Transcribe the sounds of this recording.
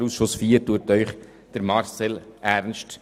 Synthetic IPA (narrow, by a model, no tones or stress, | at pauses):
ɾusʃʊsfiəɾtuətœʏχ | d̥əɾmɑɾsɛlæɾnʃt